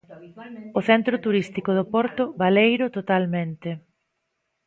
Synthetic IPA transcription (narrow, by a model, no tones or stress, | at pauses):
ʊθɛnt̪ɾʊt̪uɾist̪ikʊð̞ʊpɔɾt̪ʊβalejɾʊt̪ot̪almẽnt̪ɪ